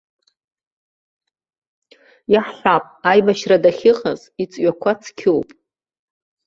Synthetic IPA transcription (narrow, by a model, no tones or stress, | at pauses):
jaħħʷapʼajmaʃradaχʲɪχaz | it͡sʼɥakʷʰat͡sʰkʲʰɪwpʼ